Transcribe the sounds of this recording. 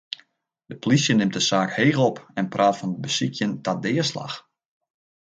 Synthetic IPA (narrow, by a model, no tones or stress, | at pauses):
d̥əpolisjənɪmt̚dəsaːkheːɣəlˠɔpɛnprʔaːtfɔnət̚bəsikʰjəntadɪəsla̰x